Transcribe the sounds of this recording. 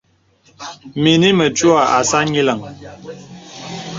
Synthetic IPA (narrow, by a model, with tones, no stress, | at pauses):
mi˨ni˦mə˨t͡ʃu˦a˨ʔa˨sa˦ɲi˦lə˨ŋ